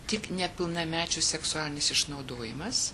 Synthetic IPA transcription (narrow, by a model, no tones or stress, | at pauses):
t̪ʲɪknʲɛpʲɪlˠnɐmʲæːt͡ʃʲusʲɛksʊɑːlʲɪnʲɪsɪʃnɐʊd̪oːjɪmɐs